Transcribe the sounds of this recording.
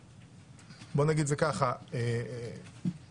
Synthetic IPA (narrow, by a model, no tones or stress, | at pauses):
bonaɡid̪zekaχae